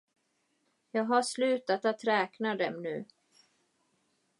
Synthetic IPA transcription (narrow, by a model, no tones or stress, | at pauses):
jɑːɡɦaʂlʉ̟ːt̪at̪at̪ɾɛːknad̪ɛmnʉ̟̰ː